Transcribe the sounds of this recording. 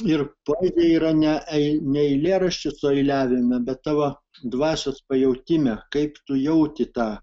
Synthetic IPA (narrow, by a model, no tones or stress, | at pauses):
ɪrpoːzʲeːiːɾɐnʲɛʔɛɪnʲɛɛɪlʲeːɾɐʃʲt͡ʃʲɪsʊɛɪlʲæːʋʲɪmʲɛbʲɛt̪t̪ɑːʋɐ | d̪ʋɑːsʲoːspɐjɛʊt̪ʲɪmʲɛkɐɪpt̪ʊjɛʊt̪ʲɪt̪ɑː